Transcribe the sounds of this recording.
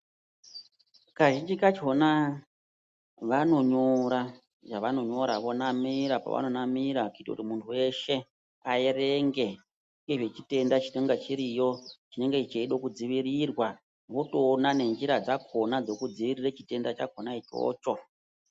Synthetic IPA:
kaʒind͡ʒikat͡ʃo̞na | ʋano̞ɲoɾa | ʐaʋano̞ɲo̞ɾa̰ʋonamiɾapa̰ʋa̰no̞namiɾakoitakutimuntʰuwe̞ʃe̞ | aeɾeŋɡe̞ | ŋɡeʐe̞t͡ʃite̞ndat͡ʃineŋɡet͡ʃiɾijo̞t͡ʃine̞ŋɡeit͡ʃeiɗo̞kud͡ziʋiɾirwa | ʋoto̞ːnane̞nd͡ʒiɾad͡zakʰo̞nad͡zo̞kud͡ziʋiriret͡ʃi̥te̞ndat͡ʃakʰonait͡ʃo̞̰ːt͡ʃo̞

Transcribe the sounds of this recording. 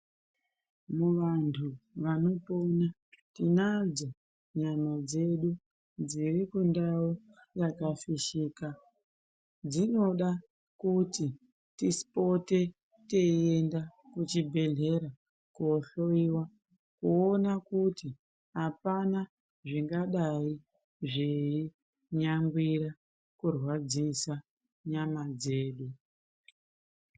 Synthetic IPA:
muʋantʰuʋano̞po̞na | tinad͡zo | ɲamad͡ze̞ɗu | d͡zirikundau | jakafiʃiːka | d͡zino̞ɗa | kuti | tispo̞te̞ | te̞ie̞ndakut͡ʃibʱe̞ɮe̞ɾa | kuoɬo̞iwa | kuonakuti | ɦapana | ʐiŋɡaɗai | ʐei | ɲaŋɡwiɾa | kurwad͡zisa | ɲamad͡ze̞ːɗu

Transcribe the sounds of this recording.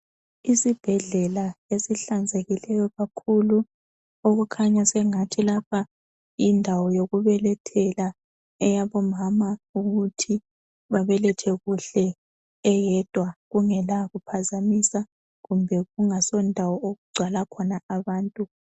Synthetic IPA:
isib̥ʱɛɮɛlaesiɬand͡zʱeɣilɛjɔɣakʰulu | oɣukʰaɲasɛŋatʰilapʰa | indʱawɔjoɣuβɛlɛtʰɛla | ɛjaβɔmamauɣutʰi | βaβɛlɛtʰɛɣuɬɛː | jɛd̥ʱwaɣuŋɛlaɣupʰazamisa | ɣumbʱɛɣuŋasɔndʱawɔoɣuɡ͡ǀʱwalakʰɔnaaβaːntʼu

